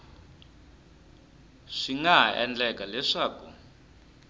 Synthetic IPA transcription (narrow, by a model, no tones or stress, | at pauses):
ʂiŋaɛ̰nd͡ɮɛkalɛʂaːkṵ